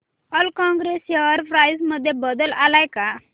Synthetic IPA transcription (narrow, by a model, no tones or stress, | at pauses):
əlkɔ̃ŋɡɾeseʋaɾpʰɾajsməd̪ʱjebəd̪əlalajka